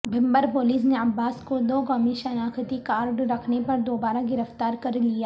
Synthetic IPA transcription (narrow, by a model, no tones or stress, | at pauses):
bʱɪ̃mbəɾpoːliːs̬neɐbːaːskod̪oːkɔːmiʃɐnaːkət̪ikaːɾɖɾɐkʰnepɐɾd̪oːbaːɾaɡɪɾəft̪aːɾkɐɾlijaː